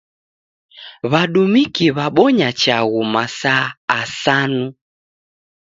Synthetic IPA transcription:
βaɗumikiβaɓɔɲat͡ʃaɣumasaːsanu

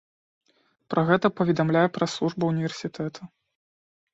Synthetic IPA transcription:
pɾʔɐɣɛt̪ɐpɐvʲɛd̪amlʲajɛpɾɐslˠuʐbɐwnʲivʲɛrsʲit̪ɛt̪ʰɐ

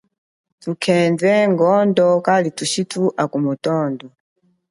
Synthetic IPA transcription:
tukʰɛnd͡zɛŋɡɔndɔkalituʃitʰuʔakumutɔːndɔ

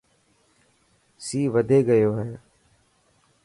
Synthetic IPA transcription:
siːʋəd̪ʱeːɡəjoːɦɛː

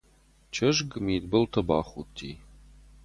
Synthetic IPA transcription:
t͡ʃʰɐʒɡmiːtbɨltʰɐba̰ːχutʰːḭː

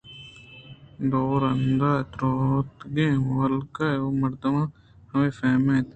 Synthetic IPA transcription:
d̪oːɾɐnd̪aːt̪ɾoːt̪ɡẽːwɐlkajomɐɾt̪ɐmãː | hɐmẽːfɛːmẽːt̪

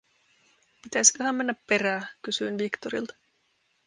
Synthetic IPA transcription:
pit̪æsi̥køɦæmmenːæppe̞ɾæːkysyinʋikt̪oɾḭlt̪ɑ̥

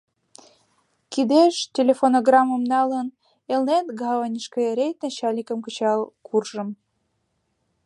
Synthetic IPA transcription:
kid̪eʃtʲelʲefonoɡrɑmːŏmnɑlən | elnet̪ɡɑvənʲiʃkəɾʲejt̪ʲneɕɑlʲikə̆mkə̆t͡ɕɑlkʰurʒə̆m

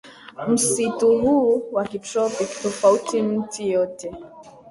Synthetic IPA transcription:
m̩situɦuwakitɾɔpiktofautim̩tʰijɔtɛ

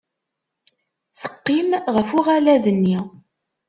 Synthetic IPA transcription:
θə̥qːimʁəfʊʁælæðənːi

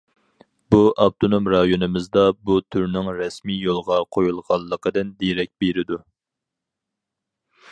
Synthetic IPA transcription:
buʔɑb̚t̪ʰonomɾɑjonɨmɪzd̪ɑbut̪ʰyɾnɪŋɾɛsmijolˠʁɑqʰojulˠʁɑlˠːəqʰəd̪ɨnd̪eɾɛk̚ʲbeɾɪd̪u

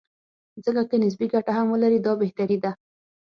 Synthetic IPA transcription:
zəkakenɪs̬biɡaʈaɦamwəlaɾid̪ɑbeht̪aɾid̪a

